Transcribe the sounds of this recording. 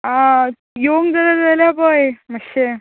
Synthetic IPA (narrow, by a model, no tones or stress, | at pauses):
a | joŋɡd͡zəlad͡zaljapəjməɕe